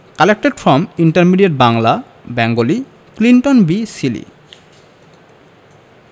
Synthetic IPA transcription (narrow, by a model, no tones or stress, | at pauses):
kalek̚ʈeɾfɔmiɳʈaɾmiɖieʈ̚baŋla | bɛŋɡoli | klinʈonbisilḭ